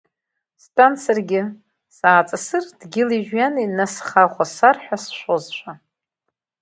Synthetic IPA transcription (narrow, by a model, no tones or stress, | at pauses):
stʼant͡sʰarɡʲɪ | saːt͡sʼasɨrd̥ɡʲɪliʒᶣjaninasχaχʷasarħʷᶣasʃʷozʃʷʰa